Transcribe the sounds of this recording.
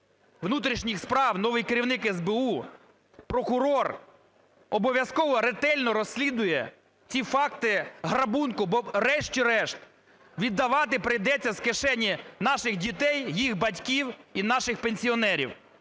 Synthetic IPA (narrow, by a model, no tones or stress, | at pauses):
ʋnut̪ɾʲiʃnʲixspɾɑwnɔʋɪjkɪɾʲiwnɪkɛzbeu | pɾɔkʊɾɔr | ɔbɔʋʲjɐskɔʋɔɾet̪ɛlʲnɔɾɔsʲlʲid̪ʊjɛ | t͡sʲifɑkt̪ɪɦɾɐbunkʊbɔrɛʃt͡ʃʲiɾɛʃt̪ | ʋʲid̪ːɐʋɑt̪̬ɪpɾɪjd̪ɛt͡sʲːɐzkeʃɛnʲːinɑʃɪɣdʲit̪ɛjjixbɐtʲkʲiwinɑʃɪxpenʲsʲiɔnɛɾʲḭw